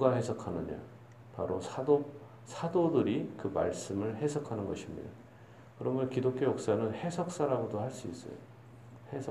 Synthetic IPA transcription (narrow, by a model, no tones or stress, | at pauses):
uɡaɦe̞sʰʌkʰanɯɲo̰ | paɾosʰado | sʰadodɯɾikɯma̰ɭs͈ɯmɯɭɦe̞sʰʌkʰanɯnɡʌɕʰimɲḭda | kɯɾʌmʌnkidok͈jojok̚s͈anɯnhe̞sʰʌk̚s͈aɾaɡodohaɭs͈uis͈ʌ̰jo̰ | hesʰʌ